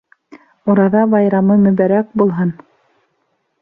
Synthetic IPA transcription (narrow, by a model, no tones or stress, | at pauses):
uɾɑðɑbɑjɾɑmɤmɵ̆βæɾæk̚bulˠɦɤn